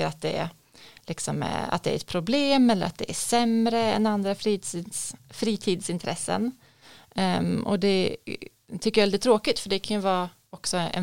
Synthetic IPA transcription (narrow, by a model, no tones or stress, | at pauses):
əɾat̪̚d̪ɛæ̰ɾ | lɪksɔm̰a̰t̪̚d̪ɛæ̰ɾɛt̪̚pʰɾʊbleːmɛlːə̰ɾat̪̚d̪ɛæʂɛmɾəɛnand̪ɾafɾiːt̪ːsfɾiːt̪ʰiːd̪sɪnt̪ʰɾɛsːə̰n | ɔ̰d̪ɛ | t̪ʰʏkːəjavɛld̪ɪt̪ːɾoːkɪt̪fœɖɛkʰanjɵvɑː | ɔksɔɛ̰